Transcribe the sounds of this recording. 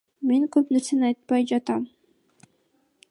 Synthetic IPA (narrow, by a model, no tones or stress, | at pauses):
me̞ŋkøpneɾsenɑjt̪̚pɑjd͡ʒɑt̪ɑm